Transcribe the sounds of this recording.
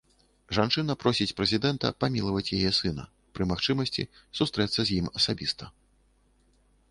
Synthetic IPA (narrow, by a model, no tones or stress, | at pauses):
ʐant͡ʂɨn̪ɐpɾɔsʲit͡sʲpɾɛzʲid̪ɛnt̪ɐ̰pamʲilˠɐvɐt͡sʲjajɛsɨnɐ̰ | pɾɨmaxt͡ʂɨmɐsʲt͡sʲḭsust̪ɾɛt̪sːɐzʲjimɐsabʲist̪ɐ